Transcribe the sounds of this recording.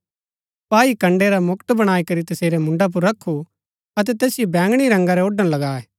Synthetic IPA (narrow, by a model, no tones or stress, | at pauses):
paːikɐ̃ɳɖeɾamʊkt̪bɐɽ̃aːikɐɾit̪ɐseːɾemʊ̃ɳɖap̬ʊɾːɐkʰːu | ɐt̪̬ɛt̪ɛːsɪjobɛ̃ːŋɡɽ̃iɾɐ̃ŋɡaɾɛoːɖə̃nlɐɡaːeː